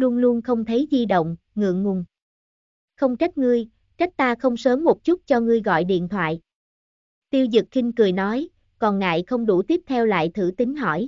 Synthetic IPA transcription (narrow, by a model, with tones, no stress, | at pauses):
lu˧ənlu˧ənxə˧wŋ͡mt̪ʰə˨˦jzi˧ɗə̰˧˨wŋ͡m | ŋɨ̰˧˨əŋŋʊ˧˩n | xə˧wŋ͡mt͡ɕa˦˥k̚ŋɨ˧əj | t͡ɕa˦˥k̟̚t̪aː˧xə˧wŋ͡msəː˨˦mːo˨˩t̚t͡ɕu˦˥t̚t͡ɕɔ˧ŋɨ˧əjɣɔ̰˧˨jɗḭ˧˨ənt̪ʰwa̰ː˧˨j | t̪i˧əwzɨ˨˩k̚xï˧ŋ̟kɨ˨˩əjnɔ˨˦j | kɔ˨˩nŋa̰ː˧˨jxə˧wŋ͡mɗu˧˩t̪i˦˥əp̚t̪ʰɛ˧wla̰ː˧˨jt̪ʰɨ˧˩t̪ï˨˦ŋ̟ɦɔ̰˧˩j